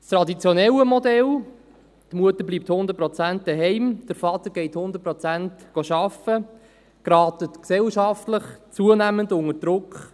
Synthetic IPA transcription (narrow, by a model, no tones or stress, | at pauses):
st̪ɾɑdit͡sjɔnɛləmɔdɛl | d̥əmuətəɾbliːp̚thʊndət̚pɾɔt͡sænt̚d̥əɦɛɪmd̥əɾfɑt̪əɾɡ̥ɛɪthʊnd̪əɾt̚pɾɔt͡sæntɡ̥oʃɑfə | ɡ̥ɾɑːtətksɛlʃɑftləχt͡suənæməndʊŋəd̥ɾʊkχ